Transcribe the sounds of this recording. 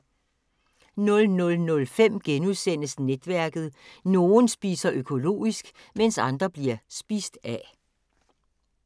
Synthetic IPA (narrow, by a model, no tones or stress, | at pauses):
nɔ̽lnɔ̽lnɔ̽lfem̰ɡ̥enuðˠsen̰əsned̥ʋæɐ̰ɡ̥ð̩ˠno̝ːn̩sb̥ḭːsɐʔøkʰo̝lo̝̰ːisɡ̥ | mensɑ̈nd̥ʁɐb̥liɐsb̥iːsd̥æ